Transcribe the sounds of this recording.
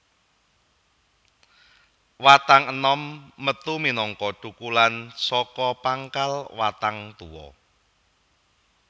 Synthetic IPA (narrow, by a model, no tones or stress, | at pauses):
wat̪aŋənɔmːət̪uminɔŋkɔɖ̥ṳkulansɔkɔpaŋkalwat̪aŋt̪uwɔ̰